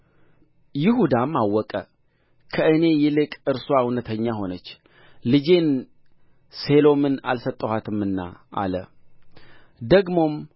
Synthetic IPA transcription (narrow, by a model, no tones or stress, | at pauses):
jɪɦud̪amːawːɔkʼə | kʰəɨne̞jɛlɨkʼɨɾswawnət̪ʰəɲːaɦo̞nət͡ʃː | lɨd͡ʒe̞n | se̞lo̞mɨna̰lsət̪ʼːəhat̪ʰɨmɨnːa̰ʔa̰lə̰ | d̪əɡmo̞m